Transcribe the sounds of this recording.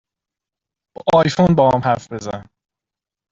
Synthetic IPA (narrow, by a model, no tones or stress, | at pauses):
bʔɒːjfonbɒːhamhæɾfb̥ezæ̰